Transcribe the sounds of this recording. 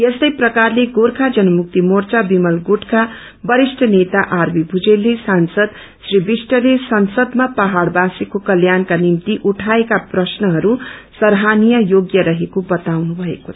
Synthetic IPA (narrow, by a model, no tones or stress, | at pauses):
jest̪ʌjprʌkarleɡoɾkʰad͡zʌnʌmuk̚t̪imort͡sabimʌlɡuʈka | bʌɾisʈʰʌnet̪aʔarbibʱud͡zelːesansʌd̪ | sribisʈʌlesʌnsʌd̪mapaɦaɽbasikokʌljankanimt̪iʔuʈʰaekaprʌsnʌɦʌɾusʌɾɦanijʌjoɡjʌɾʌɦekobʌt̪awnubʱʌḛkot͡sʰʌ